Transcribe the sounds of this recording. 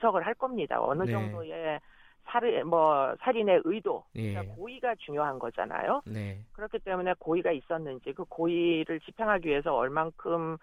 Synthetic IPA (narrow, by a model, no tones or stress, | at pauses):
sʰʌɡɯɭɦaɭk͈ʌmɲida̰ʌ̰nɯd͡ʑʌŋdoe̞ | sʰaɾmwʌsʰaɾine̞ʔɯidoik͈akoiɡat͡ɕuŋjoɦanɡʌd͡ʑa̰na̰jonkɯɾʌkʰit͈e̞mune̞koiɡais͈ʌnːɯnd͡ʑikɯkoiɾɯɭt͡ɕipʰeŋɦaɡiɥiɦe̞sʰʌʌɭmankʰɯm